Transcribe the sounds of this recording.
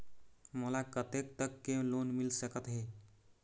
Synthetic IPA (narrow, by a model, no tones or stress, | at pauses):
məlakət̪ek̚t̪əkːelonmilsəkət̪ɦe